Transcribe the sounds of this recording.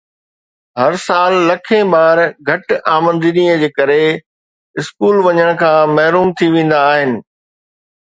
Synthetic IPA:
ɦɐɾsaːlːɐkʰẽbaːɾɡʱɐʈaːmə̃nd̪iniəd͡ʑeːkɐɾe | ɪskuːlʋɐɲəɽ̃kʰãːmɐɦɾuːmt̪ʰiʋẽːn̆d̪aːɦɪnɪ̆

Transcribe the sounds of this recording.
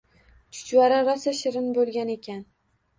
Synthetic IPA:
t͡ʃʰʊ̥t͡ʃwaɾaɾasaʃɪɾɪnbolˠɡʲane̞kʲan

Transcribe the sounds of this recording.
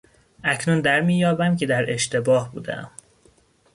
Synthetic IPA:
ʔæcʰnund̪æɾmiːjɒːbæmcʰe̞d̪æɾe̞ʃt̪e̞bɒːhbuːd̪ḛʔæ̰m

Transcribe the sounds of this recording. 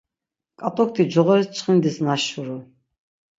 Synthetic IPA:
kʼat̪ʼɔk̚ʰt̪ʰid͡ʒɔʁɔɾɛst͡ʃʰʼχind̪isnaʃuɾu

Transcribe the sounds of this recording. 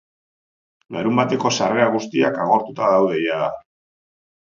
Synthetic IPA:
laɾumbat̪e̞ko̞sare̞aɣ̞ust̪iakaɣ̞o̞ɾt̪ut̪aðawð̞e̞jaða

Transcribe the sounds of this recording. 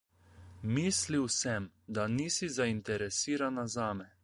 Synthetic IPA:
miːsliwsɛmd̪aniːsizaint̪ɛɾɛsiːɾanazaːmɛ

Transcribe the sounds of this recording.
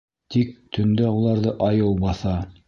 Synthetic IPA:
t̪ik̚t̪ɵ̆nd̪æulˠɑɾðɤʔɑjɤwbɑθɑ

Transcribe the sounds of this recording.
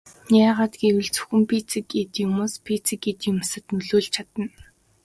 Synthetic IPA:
nʲjaːʁaːt̪ɡewɘ̆ɮt͡su̥xɘ̆mpʰit͡sĭket̪jʊmoːspʰit͡sĭket̪ʊmasə̆t̪nɵɮoːɮt͡ɕʰat̪ə̆n

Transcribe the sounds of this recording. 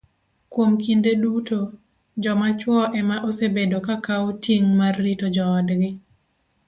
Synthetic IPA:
kwomkindeduto | d͡ʒɔmat͡ʃwɔʔɛmaʔosebedokakaotiŋmarːitod͡ʒɔːdɡɪ

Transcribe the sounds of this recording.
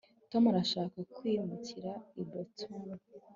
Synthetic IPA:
tomaɾaʃaːkakwiːmuciɾaibbotʰun

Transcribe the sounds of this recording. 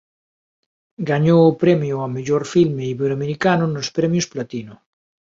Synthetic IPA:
ɡaɲowʊpɾɛmjʊameʎoɾfilmeiβeɾoameɾikanʊnʊspɾɛmjʊsplat̪inʊ

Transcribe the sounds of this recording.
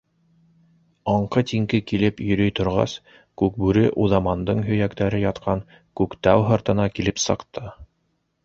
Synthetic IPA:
ɑɴqɤt̪iŋkɘkilɘpjɵ̆ɾɵjt̪ŏɾʁɑ̰s | kʉk̚bʉɾɘʔuðɑmɑnd̪ɤɴɦɵ̆jækt̪æɾɘjɑt̪qʰɑŋ | kʉkt̪æwɦɤ̆ɾt̪ɤ̆nɑkilɘpsɤ̆qt̪ʰɤ

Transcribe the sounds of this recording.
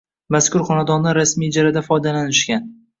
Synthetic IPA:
maskʊɾχɒnad̪ɒnːaɾasmijd͡ʒaɾad̪afɒjd̪alanɪʃkʲan

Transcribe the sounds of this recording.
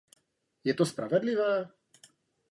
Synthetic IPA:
jɛt̪ospɾavɛd̪lɪvaː

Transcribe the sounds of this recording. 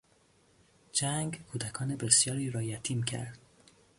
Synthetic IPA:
d͡ʒæŋɡkʰuːd̪ækʰɒːnebesjɒːɾiːɾɒːjæt̪ʰiːmcʰæ̰ɾd̪̥

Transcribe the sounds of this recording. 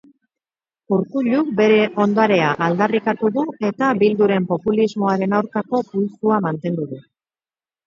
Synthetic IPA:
uɾkuʎuk̚be̞ɾe̞ʔo̞nd̪oaɾe̞aʔald̪arikat̪uðue̞t̪abild̪uɾe̞mpo̞pulizmo̞aɾe̞nawɾkako̞pujsuamant̪e̞nd̪uðu

